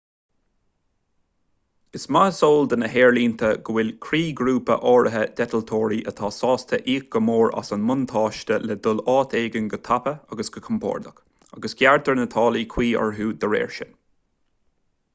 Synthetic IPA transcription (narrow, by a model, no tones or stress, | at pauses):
ɪsmasoːld̪ənəɦɛːɹliːnt̪ʰəɡəwɪlkʰɾiːɡɾuːpə̰ʔɔːɹʔəɦəd̪̥ɛt̪əlt̪ʰoːɹiʔət̪ʰɑːsɑːst̪ʰəʔiːk̚ɡ̥əmoːɹa̰sanmʊnt̪ʰɑːʃtəlɛd̪ʊlɑːt̪ʰeːɡənɡət̪ʰapəaɡəsɡ̥əkʰʊmpʰɔ̰ːɹd̪ək | aɡəsɡ̥ʲjaɹt̪əɹnət̪ʰɑːlikʰw̥iːə̰ɹɦuːd̪əɾɛ̰ːɹʃə̰n